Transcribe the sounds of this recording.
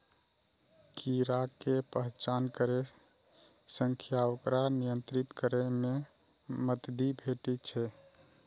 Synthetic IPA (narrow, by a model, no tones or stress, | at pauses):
kʰiɾakepəɦt͡ʃankəɾe | səŋkʰjaokɾanijənt̪ɾit̪kəɾeme | mət̪d̪ibʱeʈit͡ʃʰɛ